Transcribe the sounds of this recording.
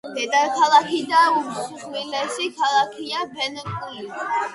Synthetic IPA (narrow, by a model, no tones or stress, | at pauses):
d̥ɛd̪ʼaɾkʰalˠakʰid̪aumsuχʰlilɛsikʰalˠakʰiabɛnkkʼili